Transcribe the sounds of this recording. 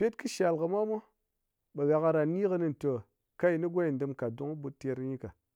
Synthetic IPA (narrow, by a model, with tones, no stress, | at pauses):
pʲe˦tkɨ˦ʃa˨lkɨ˨ma˦mo˦ | ɓa˨ɣa˨ka˧ɾa˨ni˦kɨ˧ni˦n˨to˨ | ka˦i˨ni˦ɡʷa˦i˨n˨dɨ˧mka˨du˨˦ŋ˦bu˧˦te˧ɾɲi˦ka˨